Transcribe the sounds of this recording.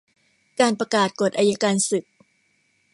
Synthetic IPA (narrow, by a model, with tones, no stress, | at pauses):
kaː˧npɾa˧kaː˨˩t̪̚ko˨˩t̪ʔaː˧ja˦˥kaː˧nsɯ˨˩k̚